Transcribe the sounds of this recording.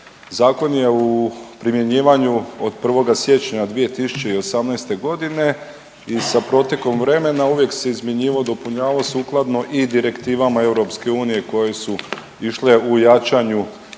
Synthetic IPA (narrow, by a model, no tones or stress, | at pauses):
zaːko̞nje̞upɾimje̞ɲiːʋaɲuod̪pr̩ʋo̞ɡasje̞t͡ɕɲad̪ʋije̞t̪isu̥t͡ɕe̞io̞samnajst̪e̞ɡo̞d̪ine̞ | isapɾo̞t̪ʲje̞ko̞mʋɾe̞me̞nauʋje̞kse̞izmje̞ɲiːʋod̪o̞puɲaːʋosuːklˠad̪no̞ʔid̪iɾe̞kt̪iːʋamae̞wɾo̞pske̞uːnije̞ko̞je̞su | iʃle̞ujat͡ʃaɲu